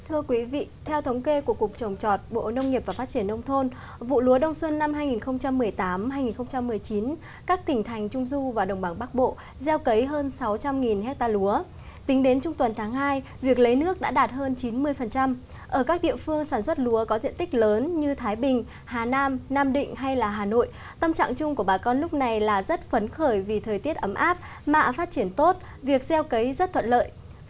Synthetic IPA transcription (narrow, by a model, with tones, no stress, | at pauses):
t̪ʰɨ˧əkwi˨˦vḭ˧˨t̪ʰɛ˧wt̪ʰə˨˦wŋ͡mke˧ku˧˩əkʊ˨˩k̚t͡ɕə˨˩wŋ͡mt͡ɕɔ˨˩t̚ɓo̰˧˨nə˧wŋ͡mŋi˨˩p̚vaː˨˩fa˦˥t͡ɕi˧˩ənʔə˧wŋ͡mt̪ʰo˧n | vṵ˧˨lu˨˦əɗə˧wŋ͡mswə˧nːa˧mɦaː˧jŋi˨˩nxə˧wŋ͡mt͡ɕa˧mːɨ˨˩əjt̪aː˨˦mɦaː˧jŋi˨˩nxə˧wŋ͡mt͡ɕa˧mːɨ˨˩əjt͡ɕi˨˦n | kaː˦˥k̚t̪ï˧˩ŋ̟t̪ʰa˨˩jŋ̟t͡ɕʊ˧ŋ͡mzu˧vaː˨˩ɗə˨˩wŋ͡mɓa˧˩ŋɓa˦˥k̚ɓo̰˧˨ | zɛ˧wkə˨˦jɦəː˧nsa˨˦wt͡ɕa˧mŋi˨˩nɦɛ˦˥t̚t̪aː˧lu˨˦ə | t̪ï˨˦ŋ̟ɗe˨˦nt͡ɕʊ˧ŋ͡mt̪wə˨˩nt̪ʰaː˨˦ŋɦaː˧j | vi˨˩ək̚lə˨˦jnɨ˦˥ək̚ɗa̰ː˧˥ɗaː˨˩t̚həː˧nt͡ɕi˨˦nmɨ˧əjfə˨˩nt͡ɕa˧m | ʔəː˧˩kaː˦˥k̚ɗḭ˧˨əfɨ˧əŋsaː˧˩nswə˦˥t̚lu˨˦əkɔ˨˦zḭ˧˨ənt̪ï˦˥k̟̚ləː˨˦nɲɨ˧t̪ʰaː˨˦jɓï˨˩ŋ̟ | haː˨˩naː˧mnaː˧mɗḭ̈˧˨ŋ̟ɦa˧jlaː˨˩ɦaː˨˩no̰˧˨j | t̪ə˧mt͡ɕa̰ː˧˨ŋt͡ɕʊ˧ŋ͡mku˧˩əɓaː˨˩kɔ˧nlʊ˦˥k͡p̚na˨˩jlaː˨˩zə˦˥t̚fə˨˦nxəː˧˩jvi˨˩t̪ʰəː˨˩jt̪i˦˥ət̚ʔə˨˦mʔaː˦˥p̚ | ma̰ː˧˨faː˦˥t̚t͡ɕi˧˩ənt̪o˦˥t̚ | vi˨˩ək̚zɛ˧wkə˨˦jzə˦˥t̚t̪ʰwə̰˧˨nlə̰ː˧˨jʔ